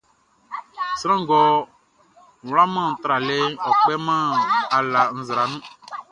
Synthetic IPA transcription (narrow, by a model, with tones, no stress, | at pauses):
sɾã˦ɡɔ˨ | wla˦mã˦˨n̩˨t̪ɾa˨le˦ɔ˨k͡pɛ˦mã˦a˨la˨n̩˨zɾa˨nũ˦